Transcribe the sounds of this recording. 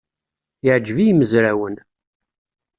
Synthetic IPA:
jəʕd͡ʒəvijməzɾæwən

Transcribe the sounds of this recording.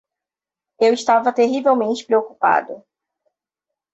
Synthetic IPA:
ewɪʃt̪avɐt̪eɦivewmẽnt͡ʃɪ̥pɾeoku̥pa̰d̪ʊ

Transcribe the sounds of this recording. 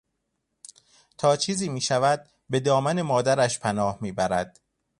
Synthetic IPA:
t̪ʰɒːt͡ʃʰiːziːmiːʃævæd̪̥̚ | be̞d̪ɒːmæne̞mɒːd̪æɾæʃpʰænɒːhmiːbæɾæd̪̥̚

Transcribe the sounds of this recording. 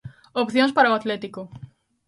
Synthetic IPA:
opθjõspaɾɐoat̪lɛt̪ikʊ

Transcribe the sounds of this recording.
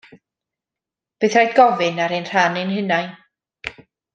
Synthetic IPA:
b̥eːθrajdɡɔvɨnaɾenr̥anɨnhɪnaj

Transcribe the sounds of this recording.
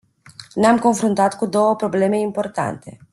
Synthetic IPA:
neamko̞nfɾunt̪at̪kud̪o̞wəpɾo̞ble̞me̞impo̞rt̪a̰nt̪e̞̰

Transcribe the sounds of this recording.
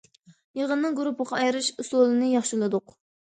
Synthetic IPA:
jeʁənːɨŋɡuɾupʰəʁɑɑjɾɨʃuslˠolˠɨnɨjɑχʃilˠɨd̪ʊq

